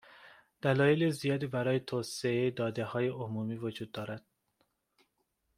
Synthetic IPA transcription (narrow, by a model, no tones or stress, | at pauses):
d̪̥ælɒːjelizijɒːd̪iːbæɾɒːjet̪ʰoːseejed̪ɒːd̪ehɒːjeʔomumiːvod͡ʒuːd̪̚ːɒːɾæd̪̥